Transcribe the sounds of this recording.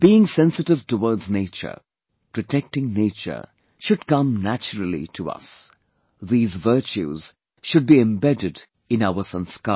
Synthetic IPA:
b̥iːɪ̃ŋsɛ̃nsɨtɪv̥tuwɔːɹdzneɪt͡ʃə̰˞ | pʰɾ̥ɔʈʰɛk̚tɪ̃ŋneɪt͡ʃə̰˞ | ʃʊd̚kʌ̃mnæt͡ʃəɹəl̩ˠḭtʰuʌ̰s | ðiːzvɜ˞t͡ʃṵz̥ | ʃʊd̚biɛ̃mbɛdɪd | ɪ̃naʊə˞sə̃nska

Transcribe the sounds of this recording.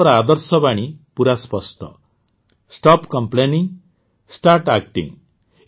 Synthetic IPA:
ɾad̪ʌɾsɔpaɽ̃ipuɾaspʌsʈʰʌ̰ | sʈɔpkʌmpleniŋ | sʈaɾʈak̚ʈḭŋ

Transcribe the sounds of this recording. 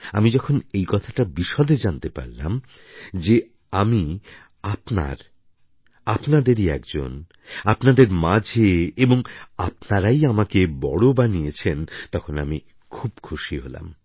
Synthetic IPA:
a̰mid͡ʑɔkʰonejkɔt̪ʰḁʈabiʃɔd̪ed͡ʑant̪epa̰ɾla̰md͡ʑe | ami | apna̰ɾ | apnad̪eɾiɛ̰kd͡ʑo̰n | apnad̪eɾmad͡ʑʱeeboŋapnaɾajamakebɔɽobanijet͡ɕʰent̪ɔkʰonami | kʰubkʰuʃiɦola̰m

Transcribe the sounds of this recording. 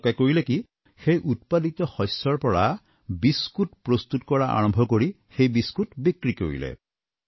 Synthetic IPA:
kajkoɹileki | xejʔut̚padit̪ɔhɔjsɔɹpɔɹa | biskutpɹɔst̪utkɔɹaʔa̰ɹɔmbʱɔkoɹi | xejbiskutbikɹiko̰ɹḭlɛ̰

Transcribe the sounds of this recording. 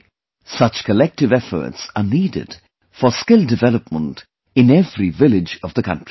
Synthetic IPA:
sʌt͡ʃkʰəlɛk̚tɨvɛfə̰˞tsənidɪ̰d̥ | fə˞skɪlˠdɨvɛləp̚mə̃nt | ɨ̃nɛvɹivɪlɪd͡ʒʌvðəkʰʌ̰̃ntɹ̥i

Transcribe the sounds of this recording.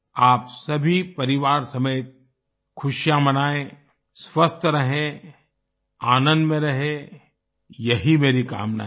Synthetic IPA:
aːpsɐbʱipɐɾɪʋaːɾsɐmeːt̪̚ | kʰʊʃjãmɐnaːẽ | sʋɐst̪ʰɾɐɦẽ | aːnə̃nd̪mẽɾɐɦe | jɐɦimeːɾika̰ːmna̰ɦ

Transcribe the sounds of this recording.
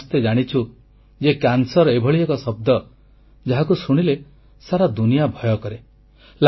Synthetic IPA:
st̪ed͡ʒaɽ̃it͡ʃʰu | d͡ʒekjansɔɾebʱɔɭiekɔsɔb̚d̪ɔ | d͡ʒaɦakusuɽ̃ile | saɾad̪unijabʱɔjɔkɔɾe | l

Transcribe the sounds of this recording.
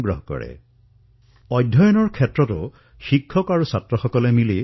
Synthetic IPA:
ɡɹɔɦkɔ̰ɹɛ̰ | ɔjdʱːɔjɔnɔɹkʰɛtɹɔtʊ | xikʰːɔkaɹusatɹɔxɔkɔlɛmili

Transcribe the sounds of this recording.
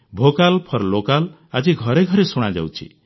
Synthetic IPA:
bʱokalpʰʌɾlokal | ad͡ʒiɡʱʌɾeɡʱʌɾesuɽ̃ad͡ʒa̰wt͡ʃʰḭ

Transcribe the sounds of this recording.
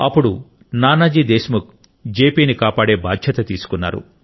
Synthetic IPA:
ɐ̰pːuɽu | naːnɐd͡ʒiːd̪eːsmuk̚ | d͡ʒeːpiːnikaːpaːɽe̞ːbaːd̪ʱjɐt̪ɐt̪iːsu̥kunːa̰ːɾṵ

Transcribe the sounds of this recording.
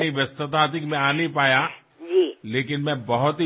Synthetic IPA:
iʋjɐst̪ət̪aːt̪ɪkmẽaːnipaːja | d͡ʒileːk̬ɪnmɛ̃bɐɦʊt̪ɦi

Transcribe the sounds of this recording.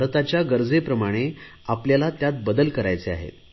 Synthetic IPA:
ɾt̪at͡ɕjaɡəɾd͡zepɾəmaɽ̃e | apljalat̪jat̪̚bəd̪əlkəɾajt͡sea̰ɦḛt̪

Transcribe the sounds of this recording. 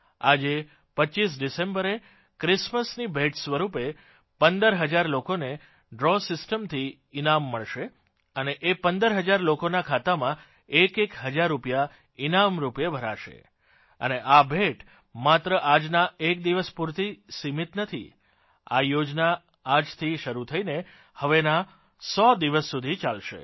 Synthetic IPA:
ad͡ʒe | pəʃis̬ɖisẽmbəɾe | kɾɪsməsnibʱeʈsʋəɾupe | pənd̪əɾɦəd͡ʒaɾlokone | ɖɾɔsɪsʈəmt̪ʰiː | namːəɭʃe | əneʔepənd̪əɾɦəd͡ʒaɾlokonakʰat̪amã | ekekɦəd͡ʒaɾːupja | inamɾupjebʱəɾaʃḛ | ə̰neʔabʱeʈ | mat̪ɾəʔad͡ʒnaek̚d̪iʋəspuɾt̪isimit̪nət̪ʰḭ | a̰jod͡ʒnaː | d͡ʒt̪ʰiʃəɾut̪ʰəine | həʋena | sɔd̪iʋəsːud̪ʱit͡ʃalʃḛ

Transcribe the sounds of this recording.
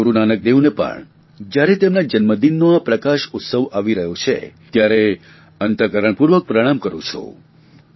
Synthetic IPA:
uɾunanək̚d̪eʋnepə̰ɳ | d͡ʒjaɾet̪emnad͡ʒənməd̪inːoapɾəkaʃʊt̪səʋaʋiɾəɦjot͡ʃʰḛt̪jaɾe | ənt̪əkəɾəɳ̃puɾʋək̚pɾəɽ̃amkəɾṵ̃t͡ʃʰo̰

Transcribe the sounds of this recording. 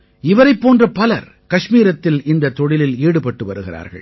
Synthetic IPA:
ɪʋɐɾɐɪpːoːndrɐpɐlɐɾ | kɐʂmiːɾɐt̪ːɪlɪnd̪ɐt̪ːɔɽɪlɪliːɽɯpɐʈːɯʋɐɾɯɣɪra̰ːɾɣɐ̰ɭ

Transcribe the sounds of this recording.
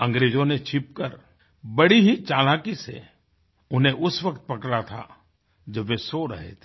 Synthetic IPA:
ɐ̃ŋɡɾeːd͡ʒõnet͡ʃʰɪp̚kəɾ | bɐɽiɦit͡ʃaːlaːkisḛ | ʊnɦẽʔʊsʋɐkt̪̚pɐkɽat̪ʰa̰ | d͡ʒɐbʋesoɾɐ̰ɦḛt̪ʰe̥

